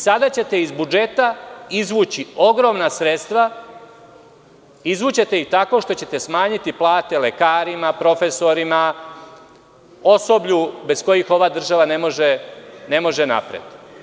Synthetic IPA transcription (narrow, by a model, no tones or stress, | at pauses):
sad̪at͡ɕe̞t̪e̞izbud͡ʒe̞t̪aizʋuːt͡ɕio̞ɡɾo̞mnasɾet̪st̪ʋa | izʋuːt͡ɕe̞t̪e̞it̪ako̞ʃt̪o̞t͡ɕe̞t̪e̞smaːɲit̪iplˠaːt̪e̞lekaːɾimapɾo̞fe̞so̞ɾima | o̞so̞bʎube̞sko̞jixo̞ʋaːd̪r̩ʒaʋane̞mo̞ʒene̞mo̞ʒena̰pɾḛt̪